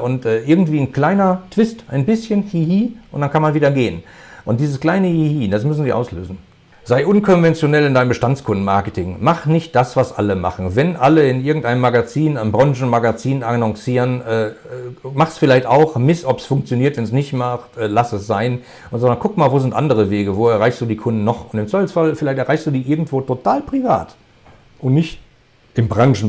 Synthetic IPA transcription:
ʔʊntʔɛːʔɪɐɡŋ̩tv̥iːnkl̥aɪnɐtv̥ɪstʔa̰ɪnbɪsçənhiːhiːʔʊntd̥ankʰanmanviːdɐɡeːən | ʔʊnt̚d̥iːzəskl̥aɪnəhihiːdasmʏs̬n̩ziːʔa̰ʊslø̰ːzn̩ | z̥aɪʔʊnkʰɔnvɛnt͡sjonɛlɪndaɪnəmbəʃtant͡skʰʊndn̩maɐkətʰɪŋmaχnɪçt̚d̥asv̥asʔa̰ləma̰χn̩vɛnʔaləɪnʔɪɐɡŋ̩taɪnəmaɡat͡siːnaɪnmbʁɔŋʒn̩maɡat͡siːnanɔŋsiːʁənɛːmaχsfɪlaɪçtaʊxmɪsɔpsfʊŋk̚t͡sjoniːɐtvɛnsnɪçtmaχtɛːlasɛsz̥aɪn | ʊnzɔndɐnkʰʊkmaːlvoːzɪntʔandəʁ̞əveːɡəvoːɛɐʁaɪçstd̥uːdiːkʰʊndn̩nɔχʊntɪmt͡sv̥aɪfləsfalfɪlaɪçtɛɐʁaɪçsd̥uːdiːʔɪɐɡŋ̩tv̥oːtʰotʰaːlpʁ̥iva̰ːt | ʔʊntnɪçt | ʔɪmbʁaŋʒn̩

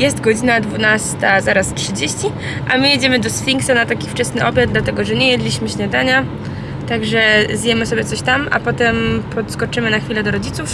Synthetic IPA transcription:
jɛst̪ɡɔd͡ʑinad̪vunast̪azaɾastʂɘd͡ʑeɕt͡ɕi | ʔamɘjed͡ʑɛmɘd̪ɔsfʲiŋksanat̪akʲift͡ʂɛsnɘʔɔbʲjad̪d̪lat̪ɛɡɔʐɛɲɛjɛd̪lʲiɕmɘɕɲad̪aɲa | t̪aɡʐɛzjɛmɘsɔbʲjɛt̪sɔɕt̪ama̰pɔt̪ɛmpʰɔt̪skɔt͡ʂɘmɘnaxfʲilɛd̪ɔɾɔd͡ʑit̪suf

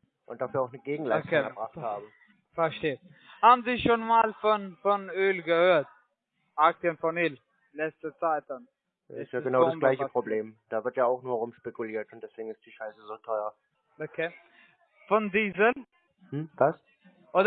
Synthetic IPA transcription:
ʔʊntd̥aːfyːɐaʊxnəɡeːɡŋ̩laokʰeːɛɐbʁaχthaːbə | fɛɐʃteːə | haːbm̩ziːʃoːnmaːlfɔnfɔnøːlɡəhøːɐt̚ | ʔaktjənfɔnøːl | lɛt͡stət͡saɪt̚d̥an | ɪstjaːɡənaʊdasɡlaɪçəpʁ̥obleːmd̥aːvɪɐtjaːaʊxnuːɐʁʊmʃpekuliːɐtʊntd̥ɛsv̥eːɡŋ̩ɪst̚d̥iːʃaɪsəzoːtʰɔʏɐ | ʔokʰeː | fɔndiːzəl | h̩vas | ʔoːd

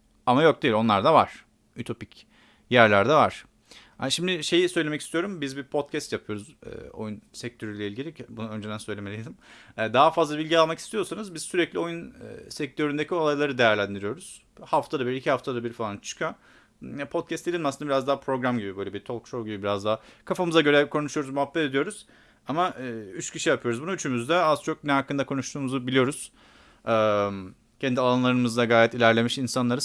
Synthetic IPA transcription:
amajo̞k̚d̪eilʲo̞nlˠaɾd̪ava̰ɾ̥ | yt̪ʰo̞pic | jæɾlʲæɾd̪ɛvaɾ̥ | aʃimd̪ɪʃe̞jisø̞jlʲemɛci̥st̪ijo̞ɾumbizbipʰo̞t̪̚cʰɛst̪japʰɯjo̞ɾuz̰ːo̞̰junsɛc̚t̪ʰø̞ɾylʲɛilʲɟilʲibunaø̞nd͡ʒed̪ænsøjlʲemelʲijd̪imɛd̪aɦafazlˠabilʲɟialˠmaki̥st̪ijo̞ɾsanɯzbiz̥syɾɛclʲio̞jun̰ːsɛc̚t̪ʰø̞ɾynd̪ecʰio̞lˠajlˠaɾɯd̪ejæɾlʲænd̪iɾijo̞ɾuz̥ | haft̪ʰad̪abiɾicʰihaft̪ʰad̪abiɾfalˠant͡ʃʰɯ̥kʰa | pʰo̞t̪̚cʰɛst̪ilʲinmasɯnaiɾazd̪aɦapʰɾo̞ɡɾamɟibibø̞jlʲebit̪ʰo̞lˠkʃowɟibibiɾazd̪aɦakʰafamɯzaɟø̞ɾɛkʰo̞nuʃujo̞ɾuzmuɦapːɛt̪ed̪ijo̞ɾuz̥ | amayt͡ʃcʰiʃijapʰɯjo̞ɾuzbunuyt͡ʃʰymyzd̪ɛaz̥t͡ʃʰo̞k̚nɛɦakːɯnd̪akʰo̞nuʃt̪ʰuːmuzubilijo̞ɾuz̥ | ɛm | cʰɛnd̪ialˠanlˠaɾɯmɯzd̪aɡaːjɛt̪ilʲæɾlʲe̞miʃinsanlˠaɾɯ

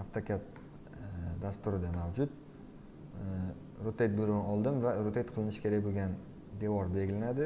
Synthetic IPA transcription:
aft̪ʰakʲat̪̚ | d̪ast̪ʊɾɪd̪amawd͡ʒʊt̪ | ɾot̪ʰet̪̚boɾʊmɒlˠd̪ɪmvaɾot̪ʰejt̪̚qʰɨlˠɪnɪʃkʲʰe̞ɾakʲboɡʲan | d̪evɒɾbeɡʲɪlanad̪ɪ

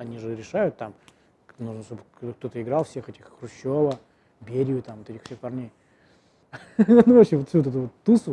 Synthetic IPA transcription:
ɐnʲiʐɨɾʲɪʂajʊt̪ːam | nuʐnəʂt̪obt̪ok̚t̪o̞t̪əɪɡɾalˠfsʲe̞xɛtʲɪxːrʊɕːovə | bʲeɾʲɪʊt̪amvot̪ɛtʲɪxfsʲexpɐrnʲej | nuvopɕɪmvot̪fsʲuot̪ɛt̪ʊvot̪ːusʊ

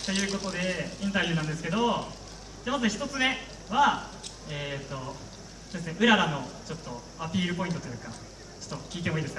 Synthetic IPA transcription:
t̪e̞jɯ̟ːko̞t̪o̞d̪e̞ĩnt̪abʲjɯ̟ːnãnd̪e̞sɨ̥ke̞d̪o̞ | d̪̥emat̪çi̥t̪o̞t͡sɨne̞ | βa | eːt̪ːo̞ | sod̪esneʔɯ̟ɾaɾano̞t͡ɕo̞t̪ːo̞ | apʲiːɾɯ̟po̞int̪ot̪ojɯ̟ːka | t͡ɕo̥t̪ːokʲiːt̪̬e̞moiːd̪esɨ̥ka

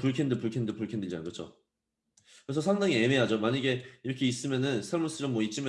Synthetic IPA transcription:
puɭkʰendɯpuɭkʰendɯpuɭkʰendɯd͡ʑanɡɯt͡ɕʰo̰ | kɯɾes̬ʰʌsʰaŋdaŋieme̞ɦad͡ʑomaɲiɡe̞iɾʌkʰe̞is͈ɯmjʌnɯnsʰaɭmuɭs͈ɯɾɯmwʌit͡ɕ͈ʰim

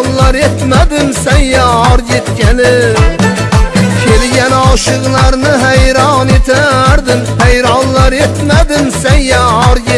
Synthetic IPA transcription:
nlˠɑɾet̪mad̪ɪmsanjaɒɾjet̪kʲanɪ | kʲʰe̞lɡʲanɒʃɨʁlˠɑɾnɪɦajɾɑne̞t̪ʰaɾd̪ɪmhajɾɑnlˠɑɾe̞t̪mad̪ɪmsanjaɒɾje

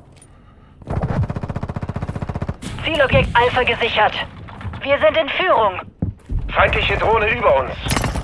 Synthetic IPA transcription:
t͡siːlɔbjɛk̚tʔalfɐɡəzɪçɐtv̥iːɐzɪntɪnfyːʁʊŋ | fʁaɪntlɪçədʁoːnəʔyːbɐʊns

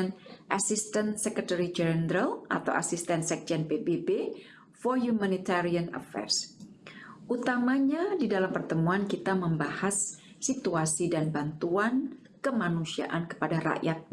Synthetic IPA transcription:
nʔasist̪ənsɛkət̪əɾid͡ʒɛnɾalʔa̰t̪a̰wa̰sist̪ɛnsɛk̚d͡ʒɛnpebebe | fɔrjumanit̪aɾianə̰fɛ̰rs | ʔut̪amaɲadidalampərt̪əmuankit̪aməmbahasː | it̪uasidanbant̪uan | kəmanusia̰ʔankə̥padaɾa̰ʔjat̪̚

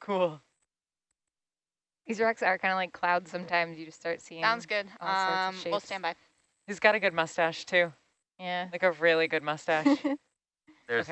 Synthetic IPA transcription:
kʰulˠ | izə˞ɹɑksə˞kʰãɪ̃ndəlaɪkʰl̥aʊdz̥sʌ̃mtʰãɪ̃mzjɨd͡ʒʌststɑɹtsiɪ̃sãʊ̃ndzɡʊd̥̚ʌ̃mʃeilˠstæ̃nbaɪ | hizɡɑɾɨɡʊd̚mʌstæʃtʰʉ | jæaɪkɨɹɪlˠiɡʊd̚mʌstæʃ

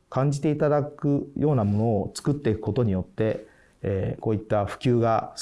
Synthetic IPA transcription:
kãɲ̟d͡ʑit̪e̞it̪ad̪akɯ̟jʔo̞ːnamo̞no̞ːt͡sɨ̥kɯ̟t̪ːeikɯ̟ko̞t̪o̞ɲ̟ijo̞t̪ːe̞ | ko̞ːit̪ːaɸɯ̟̥kʲɨːɡa

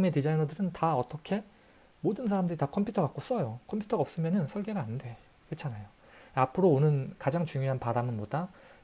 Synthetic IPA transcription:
me̞tid͡ʑainʌdɯɾɯntaʌt͈ʌkʰe̞ | modɯnsʰaɾamdɯɾitakʰʌmpʰutʰʌɡak͈os͈ʌjokʰʌmpʰju̥tʰʌʌp̚s͈ɯmjʌnɯnsʰʌɭɡe̞ɡaːnde̞ | kɯt͡ɕʰanajo | apʰɯɾoːnɯnkad͡ʑaŋt͡ɕuŋjoɦanpaɾamɯnmoda

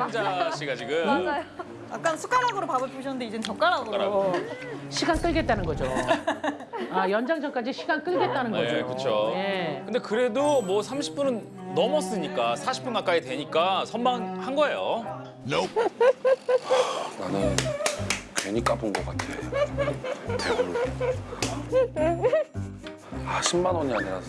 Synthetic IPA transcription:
ad͡ʑaɕ͈iɡad͡ʑiɡɯmd͡ʑajo | jak͈ansʰu̥k͈aɾɦaɡɯɾopabɯɭpʰuɕʰʌnɯndeid͡ʑet͡ɕʌk͈aɾaɡoɾo | ɕʰiɡank͈ɯɭɡe̞t̚t͈anɯnɡʌd͡ʑo | ajʌnd͡ʑaŋd͡ʑʌnk͈ad͡ʑiɕʰiɡank͈ɯɭɡe̞t̚t͈anɯnɡʌed͡ʑkɯt͡ɕʰoje̞kɯndekɯɾe̞domwʌsʰamɕʰi̥p͈unɯnː | ʌmʌs͈ɯɲik͈asʰaɕʰi̥p͈unɡak͈aitwe̞ɲik͈asʰʌnmanhanɡʌejo̰ | nanɯn | keɲik͈apunɡʌk͈atʰḛ | aɕʰimmanwoɲiaɲiɾa̰

